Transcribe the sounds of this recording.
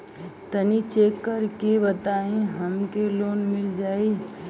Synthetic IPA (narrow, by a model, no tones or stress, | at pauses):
t̪ənit͡ʃeːkːəɾkebət̪aːẽɦɐmkeloːnmɪld͡ʒaːiː